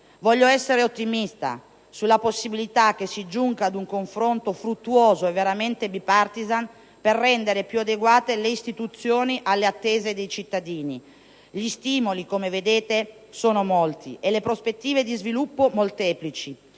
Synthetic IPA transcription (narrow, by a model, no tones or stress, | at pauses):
vɔʎːoɛsːeɾeot̪ːimist̪a̰ | sulːaposːibilit̪ak̟ːesːid͡ʒuŋɡad̪uŋkoɱfɾont̪ofɾut̪ːuoːzoevːeɾament̪ebipart̪izan | perːɛnd̪eɾepjuad̪eɡwaːt̪eleist̪it̪ut̪sːjoːniʔalːeat̪ːeːzed̪ejt͡ʃit̪ːad̪iːni | ʎist̪iːmolikomeved̪eːt̪e | soːnomɔlt̪iʔelepɾospet̪ːiːved̪izvilupːomolt̪ɛːplit͡ʃi